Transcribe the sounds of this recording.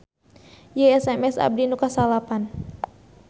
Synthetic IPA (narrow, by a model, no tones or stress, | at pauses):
jeɛsɛmɛsa̰b̚dinukasalapan